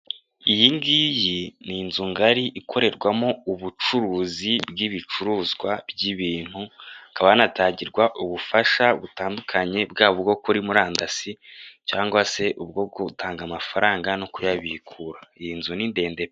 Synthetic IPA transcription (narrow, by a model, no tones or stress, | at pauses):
ijiŋɡijininzuŋɡaɾiʔikʰo̞ɾe̞ɾɡwamo̞uβut͡ʃuɾuːzibɡiβit͡ʃuɾuːzɡwabɟiβiːn̥huakaβajnataːɲɟiɾɡwaʔuβufaʃaβutaːndukʰaɲe̞bɡaːβobɡo̞kuɾimuɾaːndasicaːŋɡwase̞ʔuβɡo̞b̚ɡutaːŋɡamafaɾaːŋɡanokujaβiikʰuɾaijinzuninde̞ːnde̞